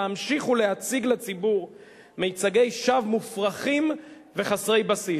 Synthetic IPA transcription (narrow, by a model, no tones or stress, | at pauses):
amʃiχulehat͡siɡlat͡sibuʁ | mejt͡saɡe̞jʃavmufʁaχim | ve̞χasʁe̞jbasi